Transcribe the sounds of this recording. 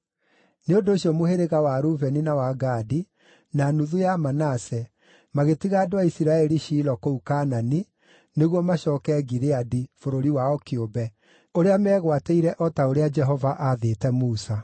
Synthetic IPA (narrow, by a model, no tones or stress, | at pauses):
neondoːɕiɔmoheɾeɣawaɾuvɛninawaɡaːdi | nanuðujamanasɛ | maɣetiɣaːdwaisiɾaɛɾiʃiːlɔkoukaːnani | neɣwɔmaɕɔːkɛɡiɾeadifoɾoɾiwaɔkeobɛ | oɾeamɛɣwateiɾɛʔɔtaoɾead͡ʒɛɦɔvaʔaðeːtɛmuːsa